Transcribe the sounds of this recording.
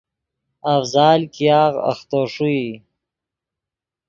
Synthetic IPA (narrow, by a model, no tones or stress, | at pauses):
afzaːlkijɑːɣa̰xt̪oːʂui